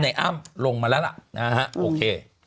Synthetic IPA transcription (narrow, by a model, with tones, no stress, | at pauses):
na˧˩jʔaː˥˩mlo˧ŋmaː˧lɛ˦˥wla̰˨˩na˦˥ha˦˥ʔoː˧kʰeː˧